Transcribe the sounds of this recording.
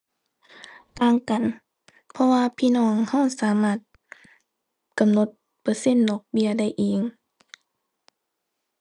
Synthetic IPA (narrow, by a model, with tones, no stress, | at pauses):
kaː˧˥˨ŋka˨n | pʰɔ˧waː˧pʰiː˧˥˨nɔː˧˩˨ŋha˧˥˩wsaː˨˦maː˧˥˩t̪̚ | ka˨mno˧t̪̚ | pɤː˧˦se˧˥˨nːɔː˧˩k̚bi˧˨ɐda˥˩jʔiː˨ŋ